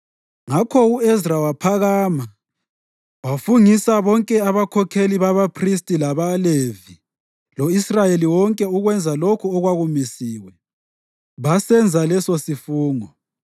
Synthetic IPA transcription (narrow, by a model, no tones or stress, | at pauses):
ŋakʰɔuesrawapʰaɣaːma | wafuŋisaβɔŋkʼɛaβakʰɔkʰeliβaβapʰristʼilaβalevi | loisrajeliwɔŋkʼɛuɣwɛnd͡zʱalokʰuɔɣwaɣumisiːwɛ | βasɛnd͡zʱalɛsosifuːŋɔ